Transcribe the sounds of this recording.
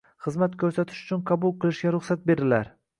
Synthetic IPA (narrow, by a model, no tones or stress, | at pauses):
χɨzmat̪kʲʰɵɾsat̪ʰɪ̥ʃʊt͡ʃʰʊnqʰɑbʊlˠqɨlˠɪʃɡʲaɾʊχsat̪̚be̞ɾɪlaɾ